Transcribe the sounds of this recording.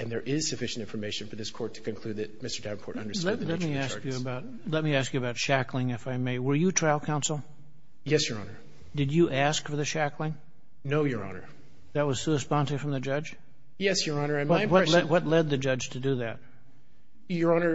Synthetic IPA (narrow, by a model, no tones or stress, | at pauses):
ɨ̃nðə˞ʔɪz̥sɨfɪʃn̩tɪ̃nfə˞meɪʃnfə˞ðɪskʰɔɹtʰɨ̥kɨ̃nkʰl̥ʉd̪̚ðɨt̚mɪstə˞dævn̩kʰɔ̰ɹɾʌ̰̃ndə˞lɛlɛt̚miæskjɨːbaʊt̚lɛt̚miæskjɨɨbaʊtʃæklˠɪ̃ŋɨfaɪmeɪwə˞jɨtʰɹ̥aɪlˠkʰãʊ̃nsl̩ˠ | jɛsjə˞ɑ̰nə˞ | d̥ɨd͡ʒɨʔæskfə˞ðɨʃæklˠɪ̃ŋ | noʊjə˞ɑ̰nə̰˞ | ðɨt̚wʌz̥sʉəspɑ̃ntɪ̃ŋfɹʌ̃mðɨd͡ʒʌdd͡ʒ̥ | jɛsjə˞ɑnə̃˞wʌwʌlɛwʌtˡlɛd̪̚ðɨd͡ʒʌ̥d͡ʒ̥tʰɨdɨðɨt̚ | jə˞ɑnə˞